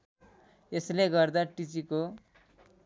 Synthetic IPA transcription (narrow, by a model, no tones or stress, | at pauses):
esleɡʌrd̪aʈit͡siko